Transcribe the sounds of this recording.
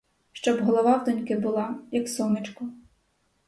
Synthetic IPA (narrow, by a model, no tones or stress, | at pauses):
ʃt͡ʃɔbɦɔlˠɔʋɑwd̪ɔnʲkɪbʊlˠɑjɐksɔmɪt͡ʃkʊ